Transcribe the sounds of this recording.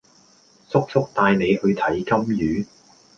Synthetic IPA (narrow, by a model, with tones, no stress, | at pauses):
sʊ˥k̚fʊ˥k̚t̪aː˧jne˨˧jhɵ˧ɥt̪ʰɐ˨˥jkɐ˥mjyː˨˥